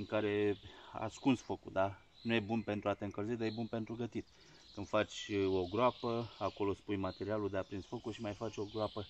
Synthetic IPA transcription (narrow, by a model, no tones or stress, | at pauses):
iŋkaɾe̞a̰skunsfo̞kud̪a | nujebunpe̞nt̪ɾuat̪e̞ɨŋkəlzed̪ajebunpe̞nt̪ɾuɡət̪it̪ | kɨnd̪̥fat͡ʃʲo̞ɡɾoapəako̞lo̞spujmat̪e̞ɾialud̪eapɾinsfo̞kuʃimajfat͡ʃʲo̞ɡɾoapə